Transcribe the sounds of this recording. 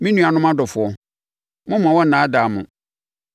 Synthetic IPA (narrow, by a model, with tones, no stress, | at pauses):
mĩ˦nũ˦˨a˨nʊ̃˦mã˦dɔ˨fʊ˨ɔ˨ | mʊ̃˦m˨ã˨wɔ̃˦nã˨˦da˨mʊ̰̃˨